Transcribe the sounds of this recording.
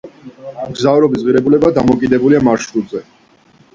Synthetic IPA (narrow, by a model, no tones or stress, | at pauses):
mɡzavɾɔbis̬ʁiɾɛbulɛbad̪amɔkʼid̪ɛbuliamaɾʃɾud̪zɛ